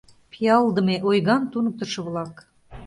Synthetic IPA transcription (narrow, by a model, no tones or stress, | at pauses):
pʰijɑlˠd̪ə̆meʔojɣɑnt̪unə̆k̚t̪ə̆ʃɤ̆βlɑk